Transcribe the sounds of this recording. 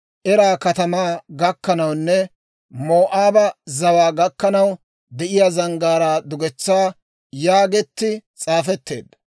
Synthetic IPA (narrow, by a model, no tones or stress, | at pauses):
ʔɛɾaːkɐt̪ɐmaːɡɐkːɐnɐwnːɛ | moːʔaːbɐzɐwaːɡɐkːɐnɐw | d̪ɛʔɪjazɐŋɡaːɾaːd̪ʊɡɛt͡sːaː | jaːɡɛt̪ːɪt͡sʼaːfɛt̪ːe̞ːd̪ːɐ